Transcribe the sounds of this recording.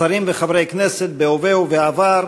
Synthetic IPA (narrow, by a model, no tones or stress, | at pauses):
aɾimveχavɾejkneset̪̚beovewveavaɾ